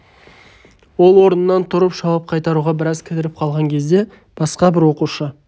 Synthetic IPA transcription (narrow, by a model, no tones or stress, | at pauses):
wo̞lˠwo̞ɾənənːɑnt̪ʰʊɾəpʒɑwɑp̚qʰɑjt̪ɑɾuʁɑbɪɾɑzkʲʰɪd̪ɪɾɪp̚qʰɑlˠʁɑŋkʲʰe̞zd̪e̞ | b̥ɑsqɑbɪɾwo̞quʃə